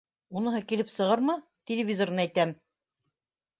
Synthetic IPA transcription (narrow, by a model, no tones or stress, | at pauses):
unɤ̆ɦɤkilɘpsɤ̆ʁɤɾmɤt̪ʲelʲɪvʲizornɤæjt̪æm